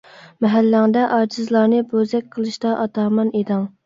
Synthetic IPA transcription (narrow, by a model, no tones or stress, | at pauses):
mɛɦælːæŋd̪ɛʔɑːd͡ʒizlˠɑɾnɨbozɛk̚ʲqʰəlˠɨʃt̪ɑʔɑt̪ɑːmɑned̪ɨŋ